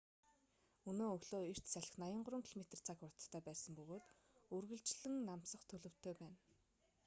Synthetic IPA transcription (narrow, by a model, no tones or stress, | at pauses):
ɵnoːɵɣɮoːer̥t̪sæɮɪ̆xnajə̆ɴɢʊɾə̆ŋkʰiɮmet̪ə̆rt͡sʰakʊrt̪t̪ʰːœːpæːsə̆mpɵɣoːt̪ | ɵrɣɘ̆ɮt͡ɕɮɘ̆ŋnam̥sə̆χt̪ʰɵɮɵ̆w̥t̪ʰːœːpæːn